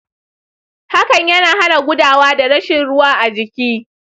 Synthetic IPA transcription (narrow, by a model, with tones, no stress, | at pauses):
ha˦kɐ˨ɲjɐ˦naː˨ha˦na˨ɡʷʊ˦daː˨waː˦da˨ɽɐ˦ʃɪ˨nɽʊ˦waː˦ʔa˨d͡ʒɪ˨kʲiː˦